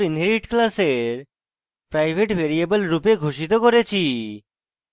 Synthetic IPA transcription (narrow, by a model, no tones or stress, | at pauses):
ɾinɦeɾiʈklaseɾ | pɾajbʱeʈbʱeɾiebəlɾupeɡʱoʃit̪okoɾet͡ɕʰi